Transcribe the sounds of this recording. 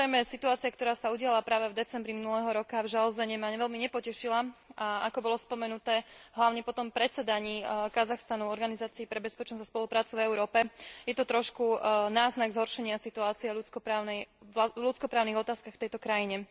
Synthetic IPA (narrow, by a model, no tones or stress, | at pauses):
ɾɛjmɛsit̪uaːt͡siɪakt̪ɔɾaːsauɟɪalapɾaːʋɛvd̪ɛt͡sɛmbɾiminulɛːɦɔɾɔkavʒalɔzɛɲɛmaʋɛlmiɲɛpɔcɛʃilaaakɔbɔlɔspɔmɛnut̪ɛːɦlaʊɲɛpɔt̪ɔmpɾɛt͡sɛd̪aɲiːkazaxst̪anuɔɾɡanizaːt͡siipɾɛbɛspɛt͡ʃnɔzaspɔlupɾaːt͡suvɛʊɾɔːpɛjɛt̪ɔt̪ɾɔʃkunaːznaɡzɦɔɾʃɛɲɪasit̪uaːt͡siɛlut͡skɔpɾaːʊnɛjalut͡skɔpɾaːʊniɣɔt̪aːskaxft̪ɛjt̪ɔkɾajiɲɛ